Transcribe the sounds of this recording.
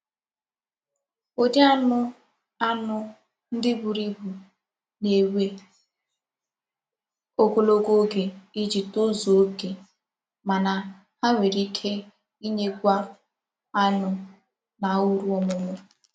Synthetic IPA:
o˦dɪ˦a˦nʊ˦ | a˦nʊ˦ | n̩˦dɪ˦bu˨ɾi˦bu˨ | ne˨we˦ | o˦ko˦lo˦ɡo˦ɡe˨i˦d͡ʒi˨to˦zo˨o˦ke˨ | ma˨na˨ | ha˦ŋʷe˨ɾi˦kʰe˦ | i˦ɲe˦ɡʷa˦ | a˦nʊ˦ | na˨u˦ɾu˦ɔ˦mʊ˦mʊ˦

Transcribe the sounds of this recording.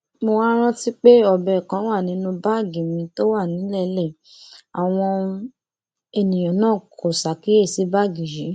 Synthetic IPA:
mo˧wa˦ɾ̃ã˦ti˦k͡pe˦ɔ˧˨bɛ˨kã˨˦wa˦˨nĩ˨˦nũ˧ba˦˨ɡi˨mĩ˧to˦wa˦˨nĩ˨˦lɛ˦˨lɛ˦˨ | a˨w̃ɔ̃˧ | e˧nĩ˨j̃ã˨nãː˦˨kʰo˨sa˨ki˦e˦˨si˨˦ba˦˨ɡi˨jĩ˨˦

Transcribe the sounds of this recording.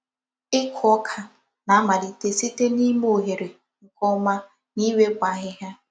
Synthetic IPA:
ɪ˦kʰɔ˦kʰa˨ | na˨˦ma˨di˨te˨si˦te˦ni˦m˦o˨ɦe˨ɾe˨ | ŋ̩˨kɔ˦ma˦ | ni˦we˦kʷa˨ɦɪ˦ɦja˦

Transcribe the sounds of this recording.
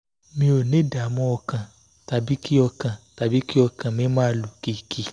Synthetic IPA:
mĩ˧o˨nẽ˨˦da˨mɔ̃˧˦ɔ˧kã˨ | ta˨bi˦ki˦ɔ˧kã˨ta˨bi˦ki˦ɔ˧kã˨mɛ̃˦mãː˦lu˨ki˧˦˨ki˧˦

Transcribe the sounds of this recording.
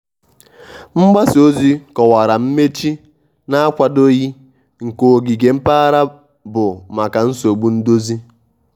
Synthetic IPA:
ŋ͡m̩˦ɡ͡ba˦so˦zi˦kɔ˨wa˨ɾa˨m̩˦me˦t͡ʃi˦ | na˦kʷa˨do˦ɣi˦ | ŋ̩˨ko˨ɡi˨ɡe˨m̩˦pa˦a˦ɾa˦ | bʊ˨ma˨ka˨n̩˦so˨ɡ͡bu˦n̩˦do˦zi˦

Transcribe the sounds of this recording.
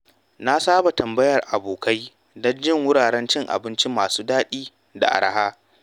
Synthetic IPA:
na˦saː˦ba˨tɐ˨mbɐ˦jɐ˨rʔa˨boː˨ka˦j | dɔ˦nd͡ʒɪ˦˨ŋwʊ˦ɽaː˨ɽɛ˦nt͡ʃɪ˦ŋʔa̰˨bɪ˦nt͡ʃɪ˦mːaː˨suː˦daː˦ɗiː˦ | da̰˨ʔa̰˨ɾa̰˨haː˦

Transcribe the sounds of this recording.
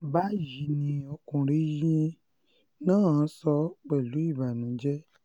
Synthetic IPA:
ba˦ji˨nĩ˧o˧kũ˨ɾe˦jĩ˧ | nã˦ã˨˦sɔ˧˦k͡pɛ˨lu˨˦i˦˨ba˨nũ˨˦d͡ʒɛ˦

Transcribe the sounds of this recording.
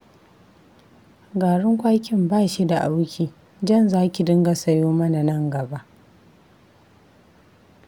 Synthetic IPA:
ɡaː˨ɽɪ˦ŋkʷaː˦kʲɪ˦mbaː˦˨ʃi˦da˨ʔa˦wkʲiː˨ | d͡ʒɐ˦˨nzaː˦kʲi˨dɪ˦ŋɡa˨sɐ˦joː˦mɐ˦na˨nɐ˦ŋɡɐ˨ba˦ʔ

